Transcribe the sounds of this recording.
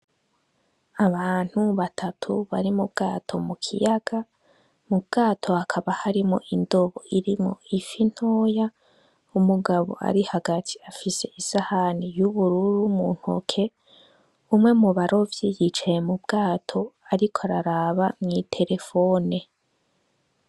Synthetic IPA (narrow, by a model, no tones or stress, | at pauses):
aβaːn̥huβatʰatʰuβa̰ɾimubɡaːtʰo̞mukʰḭjaɡ̥a | mub̚ɡ̥aːtʰo̞akʰaβahaɾimo̰ʔindoβoiɾimŋo̞̰ifin̥hoːja | umuɡaβo̞̰a̰ɾihaɡatʰi̥afise̞isahanijuβuɾuɾumṵn̥ho̰kʰe̞ | umŋe̞muβaɾʔo̞vjiːɡit͡ʃejemubɡaːtʰo̞aɾikʰoaɾaɾaβamŋitʰe̞ɾe̞fone̞